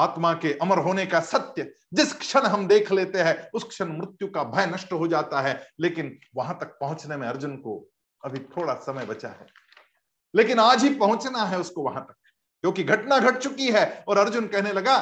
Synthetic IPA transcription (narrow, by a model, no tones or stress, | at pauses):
aːt̪makeʔɐməɾɦoːnekasɐt̪jə | d͡ʒɪskʃəɽ̃ɦɐmd̪eːkʰleːt̪eɦɛ̃ʊskʃəɽ̃mɾɪt̪jukabʱɐjnɐʃʈɦod͡ʒaːt̪aɦɛleːkɪn | ʋɐɦãt̪ɐk̚pɐɦʊ̃t͡ʃnemẽɐɾd͡ʒʊnko | ɐbʱit̪ʰoːɽasɐməjbɐt͡ʃa̰ɦɛ̰ː | leːkɪnaːd͡ʒɦipɐɦʊ̃t͡ʃnaɦɛʊskoʋɐɦãt̪ɐk̚ | kjõːkiɡʱɐʈnaɡʱɐʈ̚t͡ʃʊkiɦɛɔːɾɐɾd͡ʒʊnkɛɦnelɐɡaː